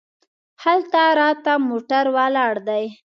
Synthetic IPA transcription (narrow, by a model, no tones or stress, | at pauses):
halt̪aɾɑt̪amoʈaɾwalɑɽd̪aj